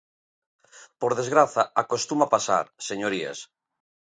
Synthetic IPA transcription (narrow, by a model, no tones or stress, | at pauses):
poɾðezɣɾaθaakost̪umapasa̰ɾseɲoɾia̰s